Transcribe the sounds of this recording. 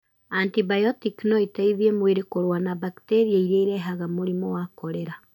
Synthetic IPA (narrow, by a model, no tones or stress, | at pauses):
antibajɔtiknɔitaiðiemweɾekoɾwanaβakteɾiaiɾeiɾɛɦaɣamoɾimɔwakɔɾeɾa